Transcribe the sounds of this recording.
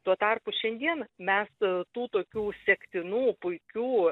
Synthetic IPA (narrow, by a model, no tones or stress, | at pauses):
t̪uɔt̪ɐrpʊʃʲɛnʲd̪ʲiɛnmʲɛst̪uːt̪oːkʲuːsʲɛkt̪ʲɪnuːpʊɪkʲuː